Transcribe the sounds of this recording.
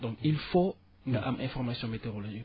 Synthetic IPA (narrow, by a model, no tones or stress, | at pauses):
d̪ɔ̃kilfo | aʔʔɛ̃fɔʁmasjɔ̃met̪eʁoloʒi